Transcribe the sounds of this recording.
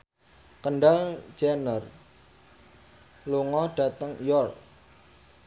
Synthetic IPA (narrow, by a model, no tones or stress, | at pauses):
kəɳɖal̥d͡ʒanər | luŋɔɖ̥a̤t̪əŋjɔrk̚